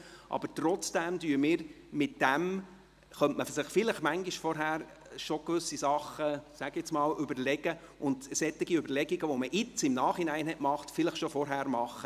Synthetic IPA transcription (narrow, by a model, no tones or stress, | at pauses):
ʔɑ̰bətɾɔt͡sd̥æmdyːɾmɪːɾ | mɪtd̥æm | χœntməfsɪχfɪləχmæŋɡiʃfɔɾɦæːɾ | ʃɔkʋʏsisɑχːəsæɡɪt͡smɑːlʏbəɾlɛɡ̥ə | ʔʊnd̥̪sɛt̪ːɪɡiøbəɾlɛɡiɡəʋɔməʔɪt͡sɪmnɑːχinæɪnɦɛtmɑχtfɪləχʃɔfɔɾɦæːɾmɑχə